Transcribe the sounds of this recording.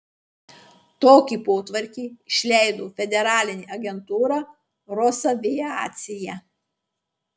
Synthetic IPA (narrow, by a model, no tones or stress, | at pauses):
t̪oːkʲipoːt̪ʋɐɾʲkʲiːɪʃʲlʲɛɪd̪oːfʲɛd̪ʲɛɾɑːlʲɪnʲiːʔɐɡʲɛnt̪uːɾɑ | ɾɔsɐʋʲɪja̰ːt̪ʲsʲɪjɛ